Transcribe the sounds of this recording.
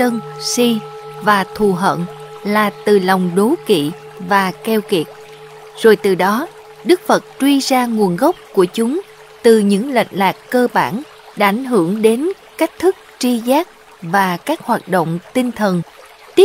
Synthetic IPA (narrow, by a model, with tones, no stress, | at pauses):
t͡ɕə˧nsi˧vaː˨˩t̪ʰu˨˩ɦə̰˧˨nlaː˨˩t̪ɨ˨˩la˨˩wŋ͡mɗo˨˦kḭ˧˨ | vaː˨˩kɛ˧wki˨˩ət̚ | z̥o˨˩jt̪ɨ˨˩ɗɔ˨˦ | ɗɨ˦˥k̚fə˨˩t̚t͡ɕwi˧zaː˧ŋu˨˩ənɣə˦˥wk͡p̚ku˧˩ət͡ɕʊ˨˦ŋ͡m | t̪ɨ˨˩ɲɨ̰˧˥ŋlə̰˧˨jŋ̟laː˨˩kːəː˧ɓaː˧˩n | ɗa̰ː˧ʔa˧˩jŋ̟ɦɨ˧˩əŋɗe˨˦n | ka˦˥k̟̚t̪ʰɨ˦˥k̚t͡ɕi˧zaː˦˥k̚ | vaː˨˩kaː˦˥k̚hwaː˨˩t̚ɗo̰˧˨wŋ͡mt̪i˧nt̪ʰə˨˩n | t̪i˦˥